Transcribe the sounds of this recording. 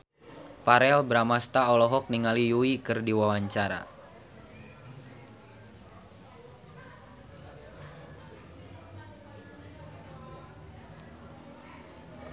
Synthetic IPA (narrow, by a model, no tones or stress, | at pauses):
paɾɛlbəɾamast̪aɔlɔɦɔk̚niŋalijuikɨrdiwawaɲt͡ʃaɾa̰